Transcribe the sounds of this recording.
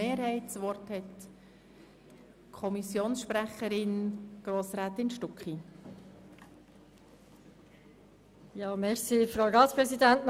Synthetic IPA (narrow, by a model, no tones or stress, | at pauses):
eːɾhɛɪtsʋɔrthɛt | kʰɔmisjoːnsʃpɾæχəɾɪnɡ̥ɾoːsɾæːt̪ɪnʃtɔkχi | jɑːmɛɾsifɾaʊɾɑːtpɾɛsidæntn